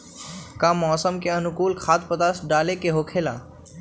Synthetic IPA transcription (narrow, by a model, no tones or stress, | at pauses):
kãmɔːsəmkeənukuːlkʰaːt̪̚pət̪asɖaːlekeɦokʰela̰